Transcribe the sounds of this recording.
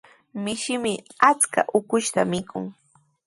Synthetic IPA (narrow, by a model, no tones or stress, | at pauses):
mɪʃɪmɪat͡ska̰ʔʊkʊʃt̪amɪkʰʊŋ